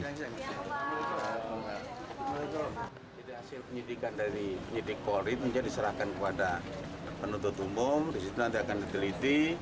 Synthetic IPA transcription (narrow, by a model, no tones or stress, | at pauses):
nit̪uaŋaumuit̪u | d͡ʒadiɦasɪlpəɲidikandaɾipəɲidɪkːoɾɪt̪̚məɲd͡ʒadisəɾahkankəpadapənunt̪ʊt̪umʊmdisit̪unant̪iakandit̪əlit̪i